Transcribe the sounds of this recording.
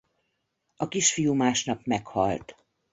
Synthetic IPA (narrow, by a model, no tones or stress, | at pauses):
ɒkiʃfijumaːʃnɒpmɛkhɒ̰lt̪